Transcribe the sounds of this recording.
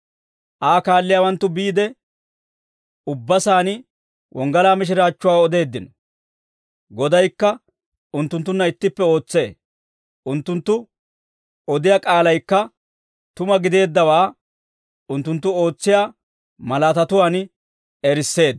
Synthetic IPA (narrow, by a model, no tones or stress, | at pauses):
ʔaːkaːlːɪjaːwɐnt̪ːʊbiːd̪ɛ | ʊbːɐsaːn | wʔɔŋɡɐlaːmɪʃ̬ɪɾaːt͡ʃːʊwaːɔd̪e̞ːd̪ːɪnɔ | ɡɔd̪ɐjkːɐ | ʊnt̪ːʊnt̪ːʊnːɐɪt̪ːɪpːɛo̞ːt͡sːe̞ː | ʔʊnt̪ːʊnt̪ːʊ | ɔd̪ɪjaːkʼaːlɐjkːɐ | t̪ʊmɐɡɪd̪e̞ːd̪ːɐwaː | ʊnt̪ːʊnt̪ːʊo̞ːt͡sːɪjaː | mɐlat̪ɐt̪ʊwaːn | ɛɾɪsːe̞ːd̪